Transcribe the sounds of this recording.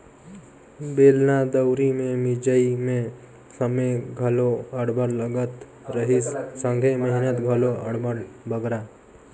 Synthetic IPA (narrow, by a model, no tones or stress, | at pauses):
beːlnad̪əwɾimẽmɪd͡ʒəimẽ | səmeɡʱəloəɽbəɾləɡət̪ | ɾəɦisːə̃ŋɡʱeməɦinət̪ɡʱəloəɽbəɾbəɡɾa